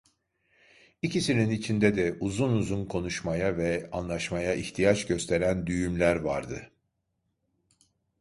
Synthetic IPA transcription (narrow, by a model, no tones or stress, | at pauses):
icisininit͡ʃʰind̪ɛd̪ɛuzunuzunkʰo̞nuʃmajavɛanlˠaʃmajaʔiçt̪ʰijat͡ʃɟø̞st̪ʰe̞ɾænd̪yjymlʲæɾvaɾd̪ɯ